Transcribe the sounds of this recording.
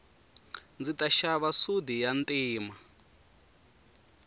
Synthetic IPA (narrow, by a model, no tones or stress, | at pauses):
nd͡zitʼaʃaβasudijantʼiːma